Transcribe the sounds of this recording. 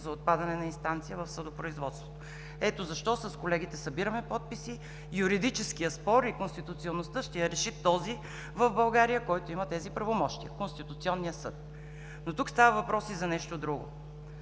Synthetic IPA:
zɐot̪̚pad̪ɐnɛnɐinst̪ant̪sijəvɐfsəd̪opɾʊizvɔt̪st̪vo̥t̪o | ɛt̪ozɐʃt̪ɔsɐskolɛɡ̟it̪ɛsɐbiɾəmɛpɔt̪̚pisi | juɾid̪it͡ʃɛskijəspɔɾikonst̪it̪ʊt̪sionːost̪ɤʃt̪ɛjɐɾɛʃit̪ːɔzi | vəvbɐlˠɡaɾijəkɔjt̪oimət̪ɛzipɾɐvomɔʃt̪iəkonst̪it̪ʊt̪siɔnːijəsɤ̰t̪̚ | not̪ukst̪avəvɐpɾɔsizɐnɛʃt̪od̪ɾuɡo̰

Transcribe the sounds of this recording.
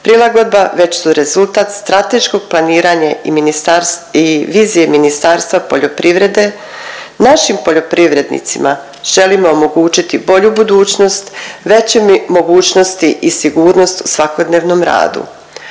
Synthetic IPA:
pɾilˠaɡo̞d̪̚baʋe̞t͡ɕsuɾe̞zulˠt̪aːt̪st̪ɾat̪e̞ʃko̞ɡ̥̚plˠaniːɾaɲaḭminiɾiʋiːzije̞minist̪aːɾst̪ʋapo̞ʎo̞pɾiʋɾe̞d̪e̞ | naʃimpo̞ʎo̞pɾiʋɾe̞d̪nḭt̪sima̰ | ʒ̥e̞limo̞omo̞ɡuːt͡ɕit̪ibo̞ʎubud̪uːt͡ɕno̞st̪ʋe̞t͡ɕemmo̞ɡuːt͡ɕno̞st̪iʔisiɡuːɾno̞st̪u̥sʋako̞d̪ne̞ːʋno̞mɾa̰ːd̪ṵ

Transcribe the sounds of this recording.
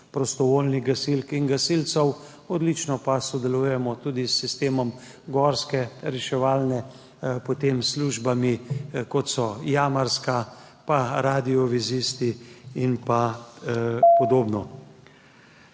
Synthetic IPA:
pɾɔst̪ɔʋoːlniɣɡasilkinɡasilt̪sɔw | ɔd̪lit͡ʃnɔpasɔd̪ɛluːjɛmɔt̪uːd̪isːist̪eːmɔm | ɡɔɾskɛɾɛʃɛʋaːlnɛ | pɔt̪eːmsluːʒbamikɔt̪sɔjaːmaɾska | paɾaːd̪iɔʋizist̪iinpa | pɔd̪oːbnɔ

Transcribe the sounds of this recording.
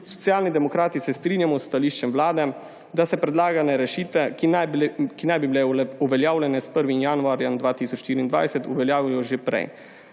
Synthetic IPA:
sɔ̥t̪sjaːlnid̪ɛmɔkɾaːt̪isɛst̪ɾiːnjamɔsːt̪aliːʃt͡ʃɛmʋlaːd̪ɛ | d̪asɛpɾɛd̪laːɡanɛɾɛʃiːt̪ʋɛk | kinajbibilɛuʋɛljaːwljɛnɛspəɾʋinjanuaːɾjamd̪ʋaːt̪isɔt͡ʃʃt̪iːɾiːnd̪ʋa̰jsɛt̪uʋɛljaːʋijɔʒepɾɛ̰j

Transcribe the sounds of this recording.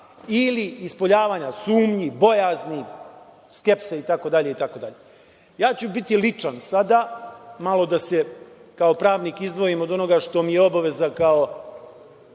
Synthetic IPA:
iliːspo̞ʎaːʋaːɲasuːmɲibo̞jaːzni | ske̞pseit̪ako̞d̪aʎe̞it̪ako̞d̪aʎe | jaːt͡ɕubit̪ilit͡ʂansad̪aːmalo̞d̪ase̞kao̞pɾaːʋniːkizd̪ʋo̞imod̪ono̞ɡaʂt̪o̞mijeo̞baʋe̞zakao

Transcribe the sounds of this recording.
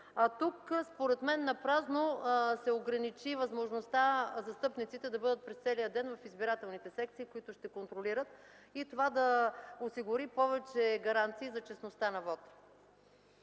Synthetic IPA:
at̪ukspoɾɛt̪mɛnːɐpɾaznosɛoɡɾɐnit͡ʃivɐzmoʒnost̪azɐst̪ɤpnit̪sit̪ɛd̪ɐbɤd̪ət̪̚pɾɛst̪sɛlijəd̪ɛnvɐfizbiɾat̪ɛlˠnit̪ɛsɛk̚t̪siːkoit̪ʊʃt̪ɛkont̪ɾoliɾət̪ | it̪ovad̪ɐosiɡʊɾipɔvɛt͡ʃɛɡɐɾant̪siːzɐt͡ʃɛsnost̪anɐvɔt̪

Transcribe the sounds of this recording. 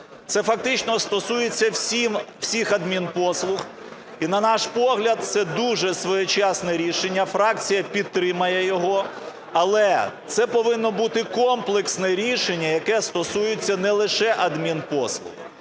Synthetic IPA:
t̪sɛfɐk̚t̪ɪt͡ʃnɔst̪ɔsujet͡sʲːɐwsʲimw̥sʲixɐd̪mʲinpɔslˠʊx | inɐnɑʃpɔɦlʲɐd̪̚t̪sɛd̪uʒɛsʋɔjɪt͡ʃɑsnɛɾʲiʃenʲːɐfɾɑk̚t͡sʲijɐpʲid̪̚t̪ːɾɪmɐjɛjɔɦɔ | ɐlˠɛt̪sɛpɔʋɪnːɔbut̪ɪkɔmplˠeksnɛɾʲiʃenʲːɐjɐkɛst̪ɔsujʊt͡sʲːɐnɛlˠɪʃɛʔɐd̪mʲinpɔslˠʊ̰h

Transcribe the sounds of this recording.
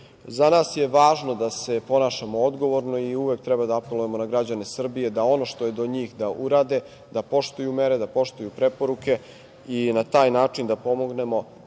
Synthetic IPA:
zanaːsje̞ʋaːʒno̞d̪ase̞po̞naːʃamood̪ɡo̞ʋo̞ɾno̞iuʋek̚t̪ɾɛbad̪aapelˠuje̞mo̞naɡɾad͡ʑane̞sr̩bije̞d̪ao̞no̞ʃt̪oje̞d̪o̞ɲiːxd̪aʔuɾaːd̪e̞ | d̪apo̞ʃt̪ojume̞ɾe̞d̪apo̞ʃt̪ojupɾe̞po̞ɾuke̞ | inat̪aːjnaːt͡ʂind̪apo̞mo̞ɡne̞mo̞

